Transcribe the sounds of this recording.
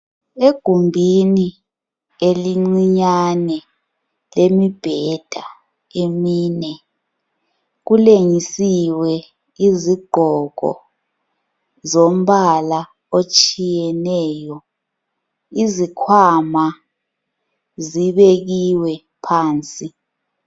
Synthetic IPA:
eɡ̥ʱumbʱini | eliŋ͡ǀiɲanɛ | lemib̥ʱɛd̥ʱa | emiːnɛ | ɣuleŋisiwɛ | iziɡ͡ǃ̥ʱɔɣʱɔ̰ | zom̩ɓala | ot͡ʃʼijɛnɛːjɔ | izikʰwama | ziβeɣiwɛ | pʰaːnt͡sʼi

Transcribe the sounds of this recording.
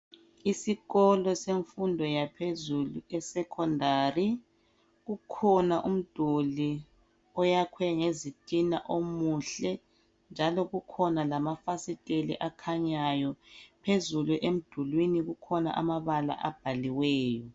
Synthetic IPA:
isiɣɔlɔseɱfundʱɔjapʰezuluɛsɛkʰɔndʱaːri | ɣukʰɔnaʔum̩d̥ʱuli | ɔjakʰwɛŋezitʼina̰ʔomuɬɛ | nd͡ʒʱalɔɣukʰɔnalamafasitʼelḭʔakʰaɲajɔpʰezuluʔem̩d̥ʱulwiniɣukʰɔna̰ʔa̰maβala̰ʔab̥ʱaliwɛːjɔ

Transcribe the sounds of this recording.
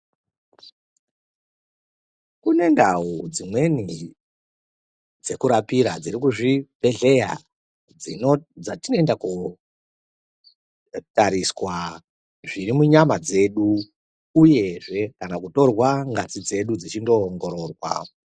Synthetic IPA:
kune̞ndaud͡zimwe̞ni | d͡ze̞kuɾapiɾad͡ziɾikuʐib̥ʱe̞ɮe̞ja̰ | d͡zind͡zatinoendaku | taɾiswa | ʐiɾimuɲamad͡ze̞ɗu | uje̞ʐe̞kanakuto̞rwaŋɡat͡sid͡ze̞ɗud͡zit͡ʃindo̞ŋɡo̞ɾo̞ːrwa̰

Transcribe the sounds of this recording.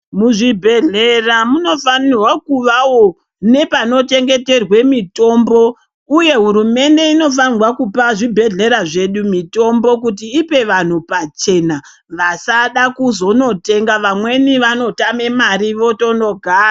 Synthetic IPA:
muʐibʱeɮe̞ramuno̞fanirwakuʋawo | ne̞pano̞te̞ŋɡe̞te̞rwe̞mito̞mbo | uje̞ɦuɾume̞nde̞ino̞f̬anwakupaʐibʱe̞ɮe̞ɾaʐe̞ɗumito̞mbo̞k̬ut̬iːpe̞ʋan̤upat͡ʃe̞na | ʋasaɗakuzo̞no̞te̞ŋɡaʋamwe̞niʋano̞tame̞maɾiʋo̞to̞no̞ɡʱaːra

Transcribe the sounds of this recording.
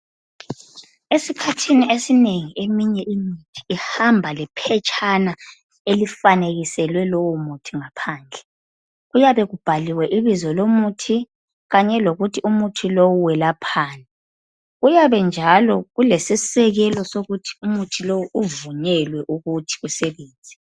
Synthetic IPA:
esikʰatʰiniesineŋiemiɲɛʔimitʰi̥ːhambʱalɛpʰɛt͡ʃʼʰana | elifaneɣisɛlwɛlowumutʰiŋapʰaːnd͡ɮʱɛ | ɣujaβɛɣub̥ʱaliwɛʔiβizɔlomutʰi | ɣaɲɛloɣutʰiʔumutʰilowuwɛlapʰaːnɛ | ɣujaβɛnd͡ʒʱalɔɣulesisɛɣɛlɔsoɣutʰi̥umutʰilowuvuɲɛlwɛʔuɣutʰi̥ɣusɛβeːnd͡zʱi

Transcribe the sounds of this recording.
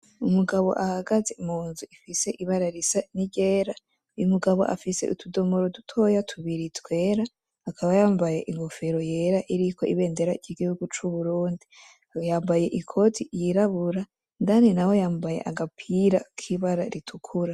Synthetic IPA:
umuɡaβo̞̰ʔahaɡaze̞muːnzuifise̞ʔiβaɾaɾisaniɟe̞ːɾa | jumuɡaβo̞̰ʔa̰fise̞̰ʔutʰudo̞moɾotu̥tʰo̞jatʰuβiɾitwe̞ːɾaː | kʰaβajaːmbaje̞̰ʔiŋɡofeɾo̞je̞ːɾaʔiɾikʰo̞iβe̞ːnde̞ɾaiɟiɡihuɡut͡ʃuβuɾuːndi | jaːmbaje̞ʔikʰo̞tʰijiɾaβuɾa | ndaninawo̞jaːmbaje̞̰ʔaɡapʰiɾakʰiβaɾaɾitʰukʰuɾa

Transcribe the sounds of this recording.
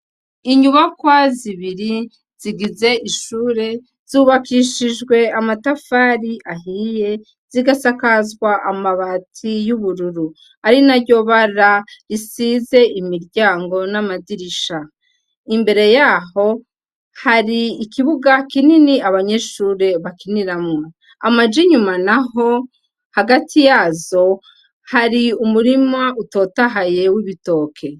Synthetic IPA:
iɲuβakwaziβiɾi | z̥iɡize̞ʔiʃuːɾe̞ | z̥uːβakiʃiʒɡwe̞amatafaɾiʔaɦije̞ | z̥iɡasakazɡwaʔamaβaːtʰijuβuɾuɾu | aɾinaɾɟo̞βaɾaɾisize̞ʔimiɾɟaːŋɡo̞namadiɾiʃa | imbe̞ɾe̞jaːɦo̞ | haɾiːkiβuɡakininiaβaɲe̞ʃuɾe̞βakiniɾamŋo | a̰mad͡ʒiɲumanaho̞ | haɡatʰijazo̞ | haɾiumuɾimauto̞taɦaje̞wiβito̞ːkʰe̞

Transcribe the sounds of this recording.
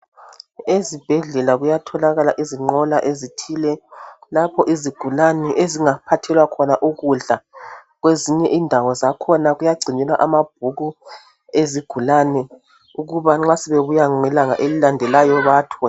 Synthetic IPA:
ezib̥ʱɛɮɛlaɣujatʰɔlaɣalaʔiziŋ͡ǃɔlaʔezitʰiːlɛlapʰɔʔiziɡ̥ʱulanɛʔeziŋapʰatʰɛlwakʰɔnaʔuɣuɮaɣweziɲɛʔindʱawɔzakʰɔnaɣujaɡ͡ǀʱiɲɛlaʔamab̥̚ʱuɣu | eziɡ̥ʱulanɛ | uɣuβaŋ͡ǁasɛβeβujaɛlaŋa̰ʔelilandʱɛlajɔβatʰɔ

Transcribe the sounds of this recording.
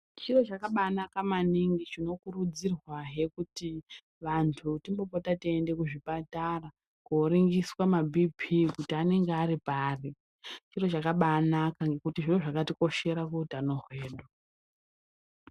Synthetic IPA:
t͡ʃiro̞t͡ʃakaɓanakamaniŋɡit͡ʃino̞kurud͡zirwaɦe̞kuti | ʋantʰutimbo̞potatiende̞kuʐipatara | kuɾiŋɡiswamabʱipʰikutiane̞ŋɡeaɾipaːri | t͡ʃiro̞t͡ʃakaɓanakaŋɡe̞kutiʐiro̞ʐakatiko̞ʃe̞ɾakeutanoɦweːɗo

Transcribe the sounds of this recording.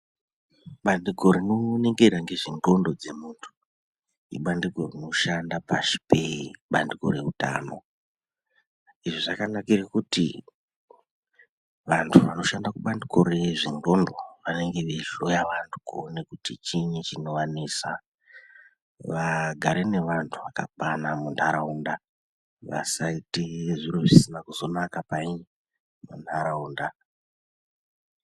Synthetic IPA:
ɓandiɡo̞ɾinone̞ŋɡe̞ɾaŋɡe̞ʐiŋɡo̞ndo̞d͡ze̞muːntʰu̥ | ḭɓandiɡʱo̞rino̞ʃandapaʃi̥peɓandiko̞̰ɾe̞uta̰ːno̞̰ | iʐoʐakanakirekutḭ | ʋantʰuʋano̞ʃandakuɓandiko̞ɾe̞ʐiŋɡo̞ndo̞ʋane̞ŋɡe̞ʋelojaʋantʰu̥kuone̞kutit͡ʃiɲit͡ʃino̞waniːsa | ʋaɡʱaɾe̞ne̞ʋantʰuʋakapanamuntʰaɾaunda | ʋa̰saitiʐiɾoʐisinakuzo̞nakapaiɲ | mundʰʱaɾauːnda

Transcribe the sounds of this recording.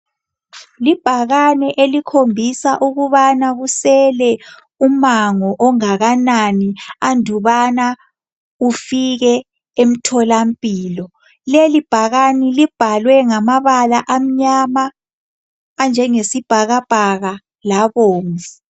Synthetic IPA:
lib̥ʱaɣanɛʔelikʰombʱisaʔuɣuβanaɣusɛlɛ | umaŋɔʔɔŋaɣananiandʱuβana | ufiɣɛ | em̩tʰɔlam̩pʼiːlɔ | lelib̥ʱaɣanilib̥ʱalwɛŋamaβalaʔam̩ɲama | nd͡ʒʱɛŋesib̥ʱaɣab̥ʱaɣa | laβoːŋɛ

